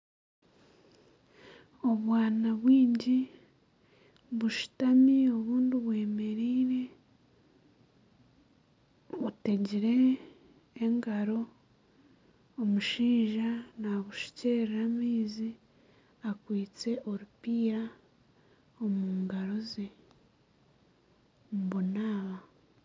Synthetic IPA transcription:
o̞βwaːnaβwiːɲɟi | βuʃu̥tamio̞βuːndiβwe̞ːme̞ɾiːɾe̞ | βute̞ɟiɾe̞ː | ŋɡaɾo̞ | omuʃiːʒanaβuʃi̥ceːɾiɾamiːzi | akwiːt͡se̞ʔo̞ɾupiːɾa | omuːŋɡaɾo̞ze | muβunaːβa

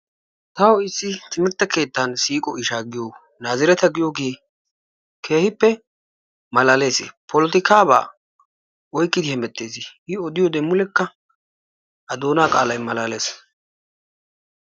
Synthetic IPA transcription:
t̪ɐwɔɪsːɪt̪ɪmɪɾt̪ːɐke̞ːt̪ːansiːkʼɔʔɪʃaːɡɪjoː | naːzɪɾɛt̪ɐɡɪjoɡeː | kʰe̞ːhɪpːɛ | mɐlaːle̞ːsḛpʰɔlɔt̪ɪkaːba̰ː | ɔjkʼːɪd̪ɪhɛmɛt̪ːe̞ːsɪhɪɔd̪ɪjɔd̪ɛmːʊlɛkːɐ | ʔɐd̪oːnaːkʼaːlɐjmɐlaːle̞ːs

